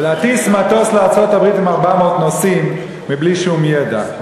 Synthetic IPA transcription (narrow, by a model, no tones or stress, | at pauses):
leat̪ismat̪o̞sleaʁt͡sot̪abʁit̪imaʁbamo̞ːt̪nosimː | ibliʃumjed̪a̰